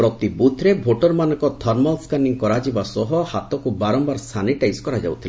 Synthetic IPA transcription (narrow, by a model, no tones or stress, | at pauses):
pɾɔt̪ibut̪ʰɾebʱoʈɔɾmanɔŋkɔt̪ʰɔɾmɔlskaniŋkɔɾad͡ʒibasɔɦɔhat̪ɔkubaɾɔmbaɾst̪ʰaniʈajskɔɾad͡ʒa̰wt̪ʰil